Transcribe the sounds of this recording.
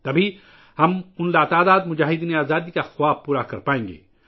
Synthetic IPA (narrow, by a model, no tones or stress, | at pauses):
t̪ɐbʱi | hɐmʊnlat̪aːd̪aːd̪mʊd͡ʒaːɦɪd̪iːneaːzaːd̪ikaxʊwaːpuːɾakɐɾpaːẽːŋɡḛː